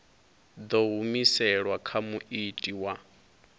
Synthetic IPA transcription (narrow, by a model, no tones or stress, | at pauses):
d̪ɔɦumisɛɺwakʰamuʔitʼiwa